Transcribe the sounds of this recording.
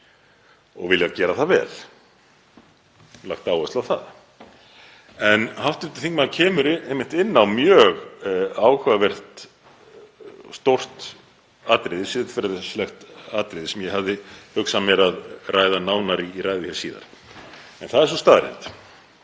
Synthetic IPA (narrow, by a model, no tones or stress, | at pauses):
ɔɣvɪljacɛːɾaθaðvɛ̰ːl̥ | la̰xt̪aːwɛst̪lawθa̰ð | ɛnhaft̪ʏɾt̪ɪ̥θiŋkmaðcʰɛːmʏɾɪejmːɪn̥t̪ɪnːawmjœɣaːwhʏvavɛr̥t̪ | st̪owr̥t̪ | aːt̪ɾɪðɪ̥siːðɪ̥fɪɾðslɛxt̪aːt̪ɾɪðɪsɛmjɛɦavðɪhʏksamjɛɾaðrʔaːjðanaːwnaɾiːɾajðɪçjɛɾsiːða̰ɾ̥ | ɛnθaðɛɾs̬uɔst̪aːðɾɪ̰nt̪